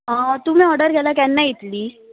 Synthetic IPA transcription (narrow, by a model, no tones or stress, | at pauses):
ɦət̪um̤ĩɔɾɖəɾɡʱɛlakɛnːait̪liː